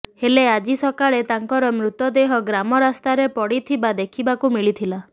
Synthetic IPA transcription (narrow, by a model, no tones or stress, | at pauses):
helead͡ʒisɔkaɭet̪aŋkɔɾɔmɾut̪ɔd̪eɦɔɡɾamɔɾast̪aɾepɔɽit̪ʰibad̪ekʰibakumiɭit̪ʰila